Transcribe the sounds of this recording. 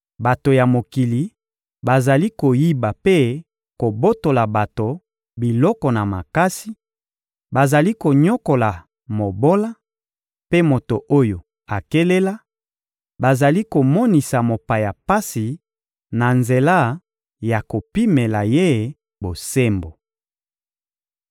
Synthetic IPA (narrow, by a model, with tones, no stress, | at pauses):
ba˨to˨ja˨mo˨ki˨li˨ | ba˨za˨li˦ko˨ji˦ba˨pe˦ | ko˨bo˦to˨la˨ba˨to˨ | bi˨lɔ˦kɔ˨na˨ma̰˨ka˦si˦ | ba˨za˨li˦ko˨ɲɔ˦ko˨la˨ | mo˨bo˦la˦ | pe˦mo˨to˨ʔo˦jo˨ | a˨ke˦le˦la˦ | ba˨za˨li˦ko˨mɔ˦ni˨sa˨mo˨pa˨ja˨pa˦si˨ | na˨nze˨la˦ | ja˨ko˨pi˦me˨la˨je˦ | bo˨se˦mbo˨